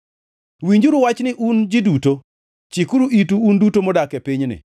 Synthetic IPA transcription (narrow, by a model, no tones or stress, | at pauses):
wiɲd͡ʒuɾuwat͡ʃnɪʔund͡ʒiduto | t͡ʃikuɾuʔituːndutomɔdakɛpiɲnɪ̰